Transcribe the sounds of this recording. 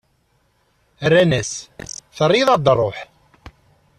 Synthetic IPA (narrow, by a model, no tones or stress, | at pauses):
ərːænæsθərˤːiðˤɑd̪rˤoħ